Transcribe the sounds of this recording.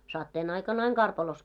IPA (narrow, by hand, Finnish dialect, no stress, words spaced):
sɑtːeːn ɑikɑn ɑiŋ kɑrpɑlos